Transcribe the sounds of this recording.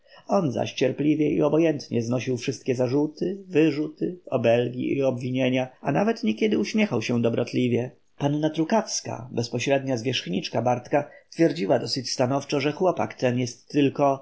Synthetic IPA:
ɔnza̰ɕt͡ɕɛɾplʲivʲjɛḭɔbɔjɛnt̪ɲɛznɔɕiwfʂɘst̪̚kʲɛzaʐut̪ɘvɘʐut̪ɘɔbɛlɡʲḭiɔbvʲiɲeɲaanavɛt̪ɲɛkʲɛd̪ɘuɕmʲjɛxawɕɛd̪ɔbɾɔt̪lʲivʲjɛ | panːat̪ɾukafska̰bɛspɔɕɾɛd̪ɲazvʲjɛʂxɲit͡ʂkabaɾt̪kast̪fʲjɛɾd͡ʑiwad̪ɔsɘt͡ɕst̪anɔft͡ʂɔʐɛxwɔpa̰kt̪ɛnjɛst̪ːɘlkɔ

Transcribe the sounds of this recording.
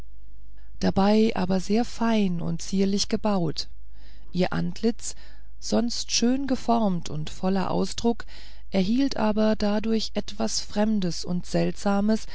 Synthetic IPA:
d̥abaɪʔa̰ːbɐzeːɐfaɪnʊ̰ntt͡siːɐlɪçɡ̥əbaʊt | ʔiːɐʔa̰ntʰlɪt͡s | z̥ɔnstʃøːnɡəfɔɐmtʰʊntfɔlɐ̰ʔa̰ʊsd̥ʁʊk | ʔɛɐɦiːltʔaːbɐdadʊɐçʔɛtv̥asfʁ̥ɛmdəsʊ̰ntz̥ɛltz̥aːməs

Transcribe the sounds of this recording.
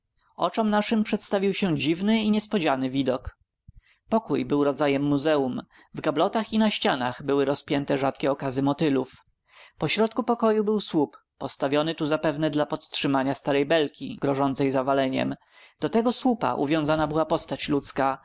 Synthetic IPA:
ɔ̰t͡ʂɔmnaʂɘmpʂɛt̪st̪avʲiwɕɛd͡ʑivnɘiɲɛspɔd͡ʑanɘvʲid̪ɔk | pɔkujbɘwɾɔd̪zajɛmːuzɛum | vɡablɔt̪axinaɕt͡ɕana̰ɣbɘwɘɾɔspʲjɛnt̪ɛʐat̪kʲɛɔkazɘmɔt̪ɘluf | pɔɕɾɔt̪̚kupɔkɔjubɘwswupːɔst̪avʲjɔnɘt̪uzapɛvnɛd̪lapɔt̪tʂɘmaɲast̪aɾɛjbɛlkʲḭɡ̥ɾɔʐɔnt̪sɛjzavalɛɲɛ̰m | d̪̥ɔt̪ɛɡɔswupa̰ʔṵvʲjɔ̃w̃zanabɘwapɔst̪at͡ɕlut̪ska

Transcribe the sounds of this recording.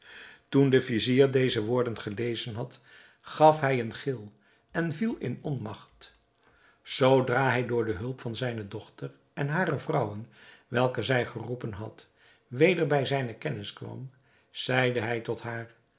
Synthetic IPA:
tundəfiziːɹdejzəʋʊːɹdənχəlejzənɦɑt | χɑfɦɛjənχɪlˠ | ɛnvilˠɪnɔnmɑχt | z̥owdraːɦɛjdʊːɹdəɦɵlˠpfɑnzɛjnədɔχtər | ɛnɦaːrəvrʌwənʋɛlˠkəzɛjχərupənɦɑ̰t | ʋejdəɹbɛjzɛjnəkɛnɪskʋɑ̰m | z̥ɛjdəɦɛjtɔtɦaːɹ

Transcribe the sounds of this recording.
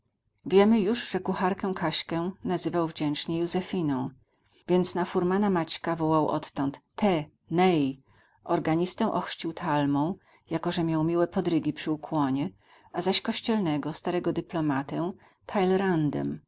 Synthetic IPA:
vʲjɛmɘjuʐʐɛkuxaɾkɛw̃kʰaɕkɛnazɘvawvd͡ʑɛnt͡ʂɲɛjuzɛfʲinɔ̃w̃ | vʲjɛnt̪snafuɾmanamat͡ɕkavɔwawʔɔ̰t̪ːɔnt̪ːɛ | nɛj | ʔɔɾɡaɲist̪ɛw̃ʔɔxʂt͡ɕiwt̪ʰalmɔ̃w̃ | jakɔʐɛmʲjawmʲiwɛpɔd̪ɾɘɡʲipʂɘukwɔɲɛ | ʔazaɕkɔɕt͡ɕɛlnɛɡɔst̪aɾɛɡɔd̪ɘplɔmat̪ɛ | t̪ʰajlɛɾand̪ɛ̰m

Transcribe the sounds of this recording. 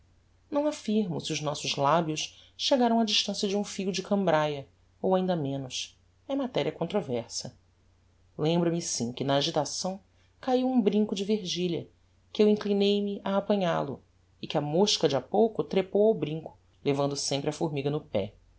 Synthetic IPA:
nɐ̃w̃afiɾmʊsɪʊznɔsʊzlabjʊʃʃeɡaɾɐ̃w̃ɐd͡ʒiʃt̪ɐ̃sjɐd͡ʒũfijʊd͡ʒɪkɐ̃mbɾajɐ | owaĩnd̪ɐmẽnʊʃ | ɛmat̪ɛɾiɐkõnt̪ɾovɛɾsɐ | lẽmbɾɐmɪsĩkɪnɐːʒit̪asɐ̃w̃ | kaiwũbɾĩŋkʊd͡ʒɪveɾʒiʎɐ | kɪewĩŋklinejmɪʔaːpɐ̃ɲalʊ̰ | ɪkɪɐmoʃkɐd͡ʒiapowkʊt̪ɾepowawbɾĩŋkʊ̥ | levɐ̃nd̪ʊsẽmpɾɪɐfoɾmiɡɐnʊpɛ̰

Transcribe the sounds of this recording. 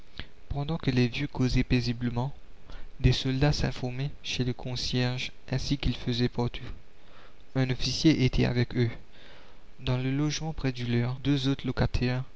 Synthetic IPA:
pɑ̃d̪ɑ̃kəlevjøkozɛpezibləmɑ̃d̪esɔld̪asɛ̰̃fɔʁmɛʃeləkʰɔ̃sjɛʁʒ | ɛ̃sikilfəzɛpɔʁt̪ʰu | ɛ̃nɔfisjeʔet̪ʰɛa̰vɛkø | d̪ɑ̃ləlɔʒmɑ̃pχɛd̪ylœʁd̪øzot̪χlɔkat̪ʰɛʁ

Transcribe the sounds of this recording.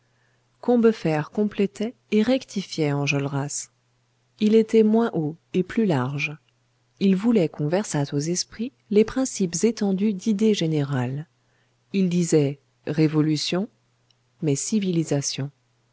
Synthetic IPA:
kɔ̃bəfɛʁkɔ̃plɛt̪ɛ | eʁɛkt̪ʰifjɛɑ̃ʒɔlʁas | ilet̪ɛmwɛ̃ʔoeplylaʁʒ | ilvulɛkɔ̃vɛʁsat̪ozɛspχi | lepχɛ̃sipzet̪ɑ̃d̪yd̪id̪eʒeneʁal | ild̪izɛ | ʁevɔlysjɔ̃ | mɛsivilizasjɔ̃

